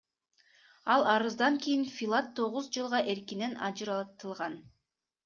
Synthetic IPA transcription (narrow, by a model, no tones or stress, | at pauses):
ɑlˠɑɾɯzd̪ɑŋkijinfʲilˠat̪ʰːo̞ʁuzd͡ʒɯlˠʁɑʔe̞ɾkine̞nɑd͡ʒɯɾɑt̪ɯlˠʁɑn